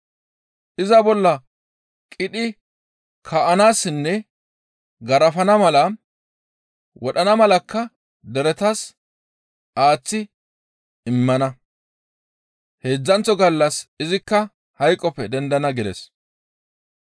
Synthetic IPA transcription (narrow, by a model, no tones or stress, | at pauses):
ʔɪzɐbɔlːɐ | kʼɪɗɪ | kʰɐʔɐnaːsɪnːɛ | ɡɐɾɐfɐnɐmɐlɐ | wɔɗɐnɐmɐlɐkːɐ | d̪ɛɾɛt̪ɐs | ʔaːt͡sːɪ | ɪmːɐnɐ | he̞ːd͡zːɐnt͡sːɔɡɐlːɐsɪzɪkːɐ | hɐjkʼːɔpːɛd̪ɛnd̪ɐnɐɡɪd̪ɛ̰s